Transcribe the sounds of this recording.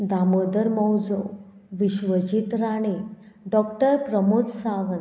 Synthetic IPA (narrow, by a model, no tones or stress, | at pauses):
d̪aməd̪əɾməwd͡zo | ʋiɕʋəd͡ʑit̪ɾaɽ̃i | ɖɔk̚ʈəɾpɾəmod͡zsaʋə